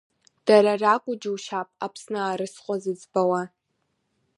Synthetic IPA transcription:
d̥aɾarakʷʼʊd͡ʒɪwʃapʼapʰsnɨːɾɨsqʷʼɔzɨd͡zbawa

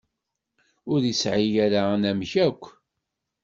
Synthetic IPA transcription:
ʊɾjisʕijæɾanæmçækʷː

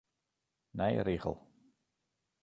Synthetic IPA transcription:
nɛj̰ɾiːɣə̰lˠ

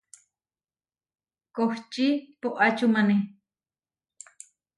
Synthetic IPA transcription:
koht͡ʃipoʔat͡ʃumane

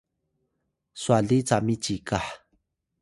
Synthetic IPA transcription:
swaɮit͡samit͡ʃikaħ

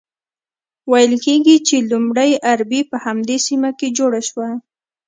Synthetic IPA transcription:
wajəlkeɡit͡ʃelumɽəjʔaɾbipəhamd̪esimaked͡ʒoɽaʃwa

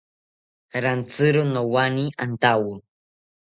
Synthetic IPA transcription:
ɾant͡sɨɾunowaniʔant̪awu

